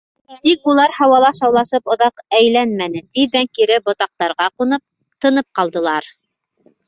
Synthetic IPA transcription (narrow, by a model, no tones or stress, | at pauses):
t̪ikulˠɑɾhɑwɑlˠɑʃɑwlˠɑʃɤpŏðɑqæjlænmænɘt̪id̪æŋkiɾɘbŏt̪ɑq̚t̪ɑɾʁɑqunɤ | t̪ɤ̆nɤp̚qɑlˠd̪ɤ̆lˠɑɾ